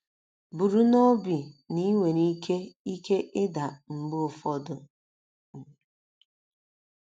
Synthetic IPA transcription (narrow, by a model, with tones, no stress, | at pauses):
bu˨ɾu˦nɔ˦bi˨ni˦wʷe˨ni˦ke˦i˦ke˦ʔɪ˦da˨m̩˨ɡ͡bo˨fɔ˦dʊ˨